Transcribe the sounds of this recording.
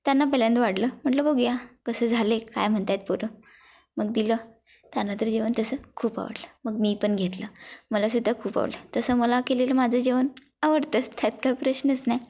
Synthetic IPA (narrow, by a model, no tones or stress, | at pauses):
t̪janːapəljant̪əʋaɽləm̤əɳʈləboɡijakəsəːd͡zʱaleka̰jm̤əɳt̪at̪̚puɾə | məɡd̪ilə | t̪janːat̪əɾd͡ʑeʋənt̪əsəːkʰuːpa̰ʋə̰ɽləməɡmiːpəɳɡʱet̪ləməlasud̪ʱːakʰuːpa̰ʋlə̰t̪əsəːməlakeleləmad͡zʱəd͡ʑeʋən | aʋəɾt̪ət͡st̪ʰjat̪kaipɾəɕnəsnaj